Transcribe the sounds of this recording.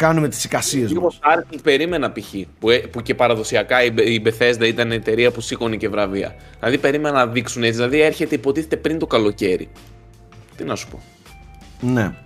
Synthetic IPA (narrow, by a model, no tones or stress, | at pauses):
kɐnume̞t̪i̥si̥kɐsiezoposɐɾesunpe̞ɾime̞nɐpiçipuepucepɐɾɐðo̞siɐkɐibe̞θe̞zd̪ɐit̪ɐneːt̪e̞ɾiɐpusiko̞nice̞vɾɐviɐ̰ðilɐðipe̞ɾime̞nɐnɐðiksune̞t͡siðilɐðie̞ɾçe̞t̪e̞ipo̞t̪iθe̞t̪epɾint̪o̞kɐlo̞ce̞ɾḭ | t̪inɐsu̥po̞̰ | ne